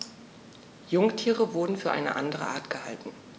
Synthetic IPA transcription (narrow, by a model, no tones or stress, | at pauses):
jʊŋtʰiːʁəvʊɐdn̩fyːɐʔa̰ɪnə̰ʔandəʁə̰ʔaːɐtɡ̥əha̰ltn̩